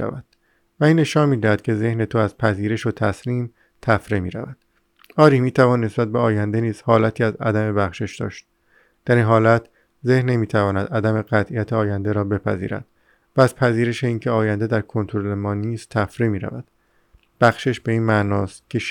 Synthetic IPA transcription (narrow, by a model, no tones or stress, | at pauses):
æ̰væd̪̥ | væiːnːe̞ʃɒːnmiːd̪æhæd̪̥kʲcʰe̞ze̞hne̞t̪ʰoæz̥pʰæziːɾeʃot̪ʰæsliːm | t̪ʰæfɾemiːɾæ̰væd̪̥ | ɒːɾiːmiːt̪ʰævɒːnːe̞sbæt̪̚beɒːjænd̪e̞niːz̥hɒːlæt̪ʰiːæzæ̰d̪æme̞bæxʃeʃd̪̥ɒ̰ːʃt̪̚ | d̪̥æɾinɦɒːlæt̪ʰ | ze̞hnːe̞miːt̪ʰævɒːnæd̪æd̪æme̞ɣæt̪ʰʔijæt̪ʰeɒːjænd̪e̞ɾɒːbe̞pʰæ̰zḭːɾæ̰d̪̥ | væːzpʰæziːɾe̞ʃeiːncʰeɒːjænd̪e̞d̪æɾkʰo̞nt̪ʰoɾole̞mɒːniːst̪ʰæfɾemiːɾæ̰væ̰d̪̥ | b̥æxʃeʃbe̞iːnmænɒːst̪̚cʲʰe̞ʃ